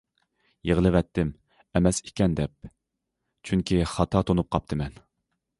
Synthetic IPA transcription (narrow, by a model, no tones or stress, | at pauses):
jeʁəlˠɨʋɛt̪ʰːɪm | ɛmɛse̥kʲɛnd̪ɛp̚ | t͡ʃʰyŋkʲʰiχɑt̪ʰɑt̪ʰonup̚qʰɑp̚t̪ʰɨmɛn